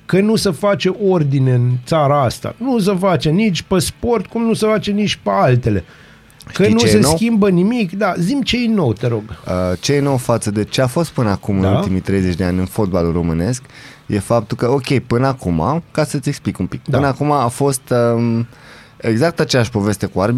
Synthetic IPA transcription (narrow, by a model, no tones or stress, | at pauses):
kənusəfat͡ʃe̞ʔord̪ineɨnt̪saɾaast̪a̰nus̬əfat͡ʃenit͡ʃʲpespo̞rt̪kumnusəfat͡ʃe̞nit͡ʃʲpealt̪e̞le̞ | ʃkəinuse̞skʲimbənimikd̪azimt͡ʃe̞jno̞wt̪e̞ɾo̞ɡət͡ʃejeno̞wfat̪səd̪e̞t͡ʃe̞afo̞st̪̚pɨnəakumɨnult̪imijt̪ɾe̞jze̞t͡ʃʲd̪eanʲɨnfo̞d̪̚balulro̞mɨne̞sk | je̞fap̚t̪ulkəo̞kʲe̞jpɨnəakuma̰kasət̪sʲe̞ksplikumpik̪ɨnəakumaːfo̞st̪ə | e̞ɡzak̚t̪at͡ʃejaʃpo̞ve̞st̪e̞kuaɾbi